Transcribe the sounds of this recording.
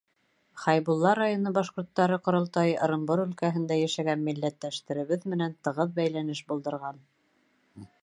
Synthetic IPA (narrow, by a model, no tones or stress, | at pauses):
χɑjβulˠːɑɾːajonɤbɑʃqŏɾt̪ːɑɾɤqŏɾŏlˠt̪ɑjɤ̆ɾɤ̆mboɾɵ̆lkæɦɘ̆nd̪æjæʃæɡænmilːæt̪ːæʃt̪ɘ̆ɾɘ̆βɘðmɘ̆nænt̪ɤ̆ʁɤðbæjlænɘʃbŭlˠd̪ɤ̆ɾʁɑn